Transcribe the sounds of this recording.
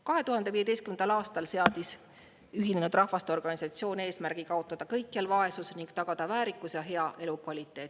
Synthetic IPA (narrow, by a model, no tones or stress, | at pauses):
kɑɦe̞t̪uɦɑnd̪̥e̞viːe̞d̪e̞jst̪kymend̪̥ɑlɑːst̪ɑlse̞ɑd̪̥is | yɦinenud̪rɑhvɑst̪eo̞rɡ̥ɑnisɑt̪sio̞ːne̞ːsmæɾɡ̥ikɑo̞t̪ˑːɑd̪̥ɑkɤjkːˑelvɑe̞susniŋɡ̥t̪ɑɡ̥ɑd̪̥ɑvæːɾikːˑusjɑɦe̞ɑʔe̞lukvɑlʲit̪ːˑe̞ːt̪ːˑ